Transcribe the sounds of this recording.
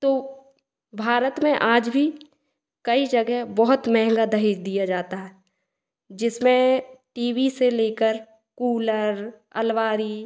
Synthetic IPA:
t̪oː | bʱaːɾət̪mẽʔaːd͡ʒbʱi | kɐid͡ʒɐɡɛɦbɔɦʊt̪mɛɦŋɡad̪ɐɦɪd͡ʒd̪ijad͡ʒaːt̪aɦɛː | d͡ʒɪsmẽʈiːwiseleːkəɾ | kuːləɾ | ɐ̰lʋaːɾi

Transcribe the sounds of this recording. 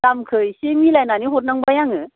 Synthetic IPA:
kamkʰɯjsemilajnaniɦɔt̬̚naŋbajaŋɯ

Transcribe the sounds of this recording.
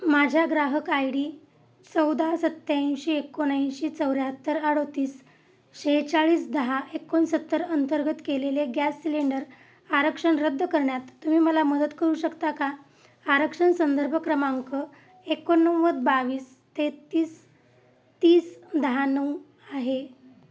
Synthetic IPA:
mad͡ʑʱjaɡɾaɦəkajɽiː | t͡səwd̪ʱasət̪ːjãɕiekːonãɕit͡səwɾjaɦət̪ːəɾaɽot̪iːs | ɕeɦt͡saɭiːsd̪əɦaʔekːonsət̪ːəɾənt̪əɾɡət̪keleleɡæsːileɳɖəɾ | aɾəkʂəɳɾəd̪ʱːəkəɾɳjat̪ːum̤iːməlaməd̪ət̪kəɾuːɕəkt̪aka | aɾəkʂəɳsənd̪əɾbʱəkɾəmaŋkə | ekonːəwʋəd̪̚baʋiːs | t̪et̪iːs | t̪iːsd̪əɦanəw | aɦe

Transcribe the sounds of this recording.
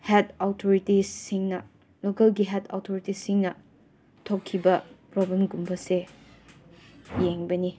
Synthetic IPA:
het̚ʰatʰoɾitisiŋnɐ | lokɐlɡiɦetʰa̰wtʰoɾitisiŋnɐ | tʰokʰːibɐpɾobenɡumbʰʱɐse | jeŋbɐni

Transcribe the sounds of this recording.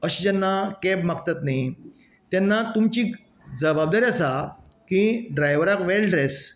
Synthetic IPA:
əɕid͡ʑanːakɛbmakt̪at̪nai | t̪jɛnːat̪umt͡ɕiː | d͡zəbab̚d̪aɾiasa | kĩɖɾajʋəɾakʋelɖɾes

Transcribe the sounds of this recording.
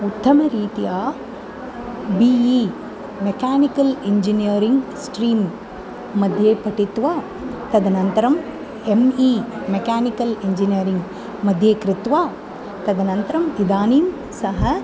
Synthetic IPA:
ut̪ːɐmɐɾiːt̪ijaː | biːi | mekaːnikɐliɲd͡ʒinijɐɾiŋɡsʈɾiːmː | ɐd̪ʱjeːpɐʈit̪ʋaː | t̪ɐd̪ɐnɐnt̪ɐɾɐm | emiːmekaːnikɐliɲd͡ʒinijɐɾiŋɡ | mɐd̪ʱjeːkɾɪt̪ʋaː | t̪ɐd̪ɐnɐnt̪ɐɾɐmid̪aːniːm | sɐɦɐ

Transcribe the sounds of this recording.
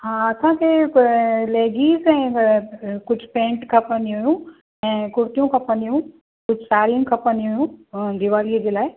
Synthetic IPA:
ɦãːɐsãkʰeː | leːɡiːzɛ̃ː | kʊd͡ʑʱpẽːɳʈkʰɐpənd̪iɦʊjũ | ɛ̃ːkʊɾt̪ijũkʰɐpə̃nd̪ijũ | kʊd͡ʑʱsaːɾijə̃nɪkʰɐpə̃nd̪iɦʊjũd̪ɪʋaːliəd͡ʑeːlaːɪ

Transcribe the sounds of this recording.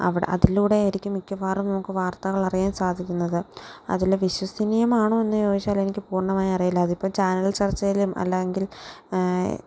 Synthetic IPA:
ɐ̰ʋiɽ̰ʔɐ̰ðiluːɽe̞ːɾikʲːumikʲːɐfaːrumnɐmukːɨʋaːrt̪ɐɣɐɭɐrijaːmsaːd̪ʱikʲːunːɐðɨɐ̰ðilʋiɕwɐsinijɐmaːɳoːe̞nːɨjo̞ːd͡ʑit͡ɕːaːlenikʲːɨpuːrɳɐmaːjiɐrijulːɐːðipːɐːt͡ɕaːnɐlit͡ɕɐrɐt͡ɕːɐjilumʔɐ̰lːejeŋɡil̰

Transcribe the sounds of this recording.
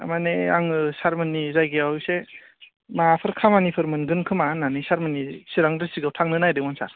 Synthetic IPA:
a̰maneaŋɯsaɾmɯnːizajɡeawse | mapʰɯɾkʰamanipʰɯɾmɯnɡɯnkʰɯmanːanisaɾmɯnːisiɾaŋdɯsiɡɯwtʰaŋnɯnajdɯmɯnsa̰ɾ

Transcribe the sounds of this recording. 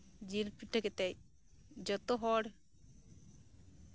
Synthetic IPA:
d͡ʒilpiʈʰːakɛt̪ɛj | d͡ʒɔt̪ɔɦɔɽ

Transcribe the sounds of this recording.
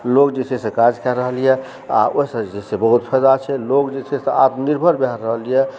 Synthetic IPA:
lokd͡ʒet͡ʃʰesẽkad͡ʒkʰɛɾəɦəlijɛ | a̰oɦisəd͡ʒesebəɦut̪pʰəjd̪at͡ʃʰɛlokd͡ʒet͡ʃʰeseat̪niɾbʱəɾbɛɦəɾːəɦəlijɛ

